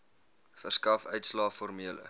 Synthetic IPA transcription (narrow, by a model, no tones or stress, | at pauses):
χəskɐfœɥtslɑːfɔrmiələ̰